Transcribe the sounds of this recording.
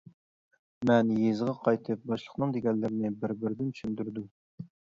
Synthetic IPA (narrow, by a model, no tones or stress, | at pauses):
mɛnjezʁɑqʰɑjt̪ʰɨp̚bɑʃlˠə̥χnɨŋd̪eɡʲɛnlːɪɾɪnɪbɪɾbɪɾd̪ɪnt͡ʃ̪ʰy̥ʃynd̪yɾd̪u